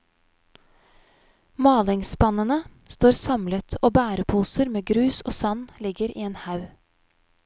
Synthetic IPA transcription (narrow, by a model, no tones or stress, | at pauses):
mɑːlɪŋsbɑnənəst̪oːɾsɑmlət̪ʰoːbæːɾəpʰuːsəɾmeːɡɾʉːsoːsɑnlɪɡəɾḭːeːnhɑʉ